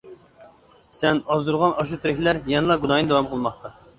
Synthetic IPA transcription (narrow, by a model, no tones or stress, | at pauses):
sɛnɑzd̪uɾʁɑnʔɑʃ̬ut̪ʰɾɪkʲlæɾjɛnɨlˠɑɡunɑjnɨd̪ɛwɑmqʰəlˠmɑχt̪ɑ